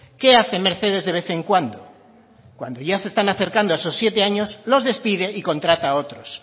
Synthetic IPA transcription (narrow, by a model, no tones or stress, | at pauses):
ke̞aθe̞me̞ɾθe̞ð̞e̞zðeβe̞θe̞ŋkwand̪o | kwa̰nd̪oʝasest̪anaθe̞ɾkand̪oaesosːje̞t̪e̞aɲo̞slo̞zðe̞spiðe̞ʔiko̞nt̪ɾat̪aːo̞t̪ɾos